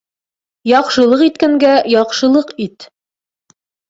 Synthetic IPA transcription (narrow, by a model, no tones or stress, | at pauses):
jɒqʃɤ̆lˠɤqit̪kæŋɡæjɒqʃɤ̆lˠɤqit̪